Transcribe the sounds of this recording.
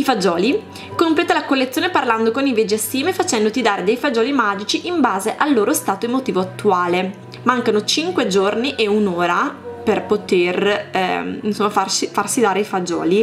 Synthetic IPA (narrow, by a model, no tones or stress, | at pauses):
ifad͡ʒɔːli | komplɛːt̪alakolːet̪sjoːneparland̪okonived͡ʒiasːiːmefat͡ʃɛnd̪ot̪id̪aːɾed̪ejfad͡ʒɔːlimaːd͡ʒit͡ʃiʔimbaːzeʔalːoːɾost̪aːt̪oemot̪iːvoat̪ːuaːle | maŋkanot͡ʃiŋkwed͡ʒorniʔeunoːɾaperpot̪er̰ | insomːafarsifarsid̪aːɾeifad͡ʒɔ̰ːli